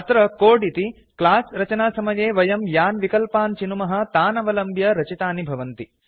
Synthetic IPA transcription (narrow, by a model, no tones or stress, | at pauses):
ɐt̪ɾɐkoːɖit̪i | klaːsɾɐt͡ʃɐnaːsɐmɐjeːʋɐjɐmjaːnʋikɐlpaːnt͡ʃinumɐɦɐ̆t̪aːnɐʋɐlɐmbjɐɾɐt͡ʃit̪aːnibʱɐʋɐnt̪i